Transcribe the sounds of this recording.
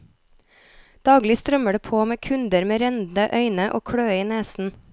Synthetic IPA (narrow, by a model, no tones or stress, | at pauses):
d̪̥ɑːɡlɪst̪ɾœməɖeːpʰoːmeːkʰʉnd̪əɾmeːɾɛnd̪n̩əʔœʏnəʔo̰ːkʰɽøːəiːneːsn̩